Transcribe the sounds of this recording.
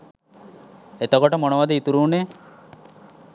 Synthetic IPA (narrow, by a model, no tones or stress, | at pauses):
et̪əkoʈəmonəʋad̪əit̪uɾuːne